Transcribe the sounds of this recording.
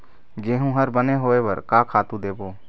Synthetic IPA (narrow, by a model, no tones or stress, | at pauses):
d͡ʒeːɦũɦəɾbəneɦoːeʋəɾkaːkʰaːt̪ũd̪eːboː